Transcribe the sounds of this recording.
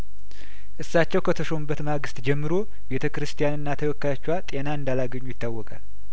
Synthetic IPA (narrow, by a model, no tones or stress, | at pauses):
ʔɨsːat͡ʃːɛwkʰət̪ʰəʃo̞mɨbːət̪maɡɨst̪d͡ʒɛmːɨɾo̞ | be̞t̪ʰəkɨɾɨst̪ʰʼijanɨnːat̪ʰəwɔkːajat͡ʃːwat̪ʼe̞naɨnd̪alaɡəɲːujɪt̪ːawːɔkʼal